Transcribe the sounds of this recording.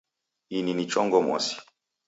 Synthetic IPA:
ininit͡ʃɔŋɡɔmɔ̰si̥

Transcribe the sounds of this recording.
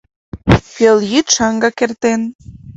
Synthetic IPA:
peljit̪ʃɑŋɡɑkert̪en

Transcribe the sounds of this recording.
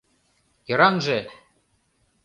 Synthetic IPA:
jɤ̆ɾɑnʒĕ

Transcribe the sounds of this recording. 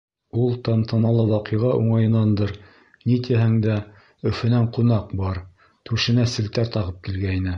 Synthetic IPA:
ulˠt̪ɑmt̪ɤ̆nɑlˠɤwɑqɤ̆ʁɑʔuɴɑjɤ̆nːɑnd̪ɤɾ | nit̪iɦæŋd̪æ | ɵ̆fɘ̆næɴqunɑqbɑɾ | t̪ʉʃɘ̆næsɘ̆lt̪æɾt̪ɑʁɤp̚kilɡæinɘ

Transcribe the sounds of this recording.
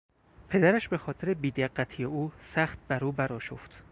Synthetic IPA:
pʰe̞d̪æɾæʃbe̞xɒːt̪ʰeɾebiːd̪eɢːæt̪ʰijeuːsæxt̪̚bæɾuːbæɾɒːʃo̰ft̪

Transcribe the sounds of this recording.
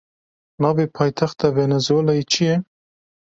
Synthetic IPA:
nɑːveːpʰɑːjt̪ʰaxt̪ɑvɛnɛzwoːlɑjit͡ʃʰijɛ

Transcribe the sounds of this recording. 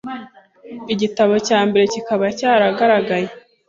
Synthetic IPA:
iɟitaβo̞caːmbe̞ɾe̞cikaβacaːɾaɡaɾaɡaje

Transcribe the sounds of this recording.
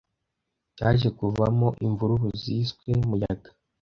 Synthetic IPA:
caːʒe̞kuvamoʔiɱvuɾuβuziskwe̞mujaɡḁ

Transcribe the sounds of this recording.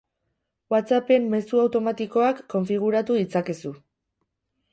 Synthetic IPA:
wat̪t͡sape̞mːe̞suawt̪o̞mat̪iko̞akːo̞ɱfiɣ̞uɾat̪uðit͡sakesu

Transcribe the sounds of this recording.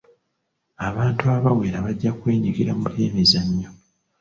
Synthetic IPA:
aβaːntuaβawe̞ːɾaβaɟːakwe̞ːɲiɡiɾamuɾe̞ːmezaɲːo

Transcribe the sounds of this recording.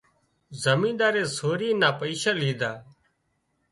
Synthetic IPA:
zəmĩːnd̪aːɾeːsoːɾiːnaːpəiːʃaːliːd̪aː

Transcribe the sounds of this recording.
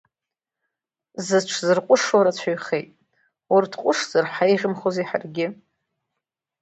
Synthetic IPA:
zɨʈ͡ʂʰzɨrqʷʼʊʂaɾat͡ɕʷʰaɥχejtʼ | wartʰqʷʼʊʂz̥arħaejʁʲɪmχozeħa̰rɡʲɪ

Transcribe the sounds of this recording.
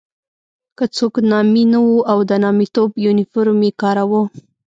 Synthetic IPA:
kət͡soknɑminawuawd̪ənɑmit̪objunɪfoɾmekɑɾawu

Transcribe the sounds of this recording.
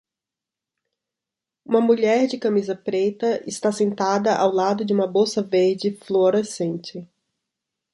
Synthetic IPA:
ũmɐmuʎɛɾd͡ʒɪkamizɐpɾet̪ɐʔɪst̪asẽnt̪ad̪ɐʔawlad̪ʊd͡ʒɪũmɐbosɐveɾd͡ʒɪfloɾesẽnt͡ʃɪ

